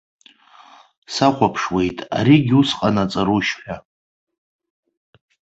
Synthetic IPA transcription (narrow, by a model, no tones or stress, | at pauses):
saχʷapʰʂwejtʼa̰ɾiɡʲusqʼanat͡sʼaɾuʃħᶣʷa